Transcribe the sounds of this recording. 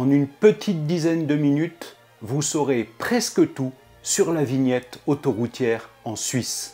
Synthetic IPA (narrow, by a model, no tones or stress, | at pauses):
ɑ̃nynpət̪ʰit̪̚d̪izɛnd̪əminyt̪ | vusɔʁepχɛskət̪u | syʁlaviɲjɛt̪ot̪oʁut̪ʰjɛʁɑ̃sɥis